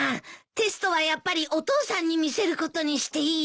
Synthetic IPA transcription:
t̪e̞sɨ̥t̪o̞βajapːaɾʲiʔo̞t̪o̞ːsãɲ̟ːimʲise̞ɾɯ̟ko̞t̪o̞ɲ̟iɕi̥t̪e̞iː

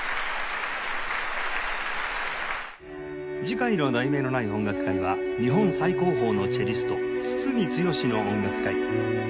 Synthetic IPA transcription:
d͡ʑikãɰ̃iɾod̪aime̞ːno̞naiõ̞ŋɡakɯ̟̥kaiβa̰ɲiɦõ̞ñsaiko̞ːɦo̞ːno̞t͡ɕeɾʲisɨ̥t̪o̞t͡sɨ̥t͡sɨmʲit͡sɨjo̞ɕino̞õŋɡakɯ̥kai

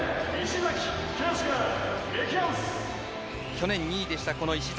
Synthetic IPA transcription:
iɕizakʲkʲẽsɡaekʲõs | kʲo̞nẽ̞ɲ̟ːiːd̪e̞ɕi̥t̪ako̞no̞iɕiz

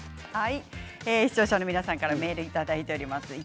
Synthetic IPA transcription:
hai | eːçi̥t͡ɕo̞ːɕanomʲinasãŋkaɾame̞ːɾɯ̟it̪ad̪ait̪e̞o̞ɾʲimasɨi

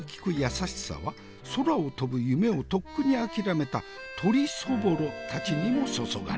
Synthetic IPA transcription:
kʲi̥kɯ̟jasaɕi̥sa̰βa | so̞ɾao̞t̪o̞bɯ̟jɯ̟me̞o̞t̪o̞kːɯ̟ɲ̟iakʲiɾame̞t̪a | t̪ʰo̞ɾʲiso̞bo̞ɾot̪at͡ɕiɲ̟imo̞so̞so̞̰ɡa̰

